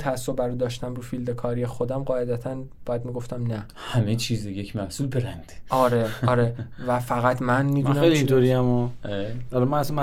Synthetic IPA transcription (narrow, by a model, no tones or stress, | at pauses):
t̪ʰææsːob̚bæɾuːd̪ɒːʃt̪æmɾuːfild̪e̞kʰɒːɾijexo̞d̪æmɢɒːjed̪æt̪ʰænbɒːjæd̪miɡo̞ft̪æmnæ | hæmet͡ʃʰiːzejecʰmæhsuːlbeɾænd̪̥eɒːɾe̞ɒːɾevæfæɣæt̪ʰmænmid̪unæejliit̪ʰoɾiæmoeɒɾemænæsamæ